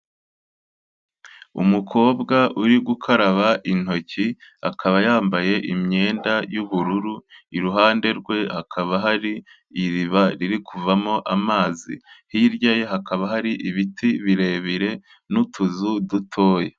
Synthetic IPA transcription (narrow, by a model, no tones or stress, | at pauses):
ṵmukʰo̞ːbɡaʔuɾiɡukʰaɾaβaʔin̥ho̞ciakʰaβajaːmbaje̞ʔimɲe̞ːndajuβuɾuɾuiɾuɦaːnde̞ɾɡwe̞hakʰaβaɦaɾiː | ɾiβaɾiɾikʰuvamo̞ʔamaːzḭhiɾɟajeɦakaβaɦaɾiʔiβitʰiβiɾe̞βiɾe̞ | nutʰuzudutʰo̞ːje